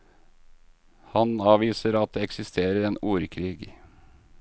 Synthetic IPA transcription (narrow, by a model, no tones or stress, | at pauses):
hɑnɑːʋiːsəɾɑt̪̚d̪eːɛksɪst̪ʰeːɾəɾeːnuːɾkʰɾiːɡ